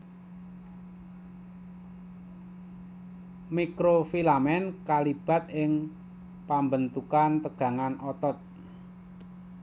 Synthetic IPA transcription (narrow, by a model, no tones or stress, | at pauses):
mikɾofilamɛnkalib̥a̤t̪̚ɪŋ | pambənt̪ukant̪əɡ̥ä̤ŋanʔɔt̪ɔt̪̚